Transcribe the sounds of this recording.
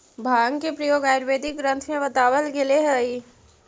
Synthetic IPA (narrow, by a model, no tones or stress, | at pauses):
bʱaːəŋkepɾɐjoːɡaːjɾʋeːd̪ɪkɡɾə̃nt̪ʰmẽʋɐt̪aːʋəlɡeleɦəi